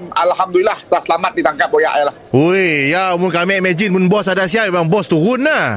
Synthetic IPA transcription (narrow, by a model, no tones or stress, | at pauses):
malɦamd̪ulilahsəlahsəlamat̪̚dit̪aŋkap̚oja̰ʔjalahoejamʊnkamɛʔmɛd͡ʒɪnmʊnbɔsadasiap̚memaŋbɔst̪uɾʊnːa